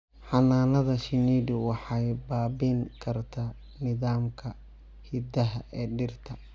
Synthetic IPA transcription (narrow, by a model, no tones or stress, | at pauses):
ħɑnaːnɐðɐʃɪniːdʊwɑħɑjbaːbɪŋkʰɐrt̪ʰa | nɪðaːmkʰɐ | hɪd̪ɐɦɐʔɛːɖɪrt̪ʰɐ